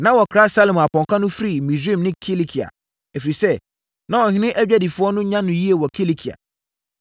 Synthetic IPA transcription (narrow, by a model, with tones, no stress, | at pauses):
nã˦wɔ˨kʰɾa˦sa˦lɛ̃˨m˨a˨pʰɔ̃˨ŋkʰa˦nʊ̃˦fɾi˨mĩ˨si˦˨mnɪ̃˦kʰe˦le˦kʰi˨a̰˨ | æ˨fi˨ɾi˨sɛ˦ | nã˦ɔ˨hɪ̃˦nɪ̃˦ʔæ˦d͡ʑᶣæ˦di˨fʊ˦ɔ˦nʊ̃˦ɲã˦nʊ̃˨ji˦e˨wɔ˨kʰe˦le˦kʰi˨a̰˨